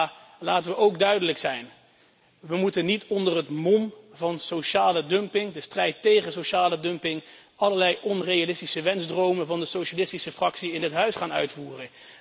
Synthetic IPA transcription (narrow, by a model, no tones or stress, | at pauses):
laːtənʋəowɡdœɥdələksɛjn | ʋəmutənitʰɔndərɦətmɔmvɑnsowʃaːlədɵmpɪŋdəstrɛjtːejχənsowʃaːlədɵmpɪŋ | ɑləɹlɛjɔnrejalɪstisəʋɛnzdrowmənvɑndəsowʃalɪstisəfrɑksiɪnətɦœɥsχaːnœ̰ɥtfuːrən